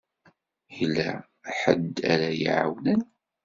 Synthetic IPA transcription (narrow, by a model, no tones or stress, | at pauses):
jlːæ | ħəd̪æ̰ɾæjiʕa̰wnən